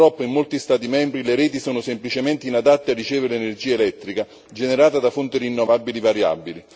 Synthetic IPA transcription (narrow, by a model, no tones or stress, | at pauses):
ɾɔpːaimːolt̪ist̪aːt̪̬imɛmbɾileɾɛːt̪isoːnʊsemplit͡ʃemɛnt̪einad̪at̪ːearːit͡ʃɛːvɪɾeenerd͡ʒiːaelɛt̪ːɾika | d͡ʒeneɾaːt̪ad̪afont̪iɾinːɔvabːilivaɾja̰bːili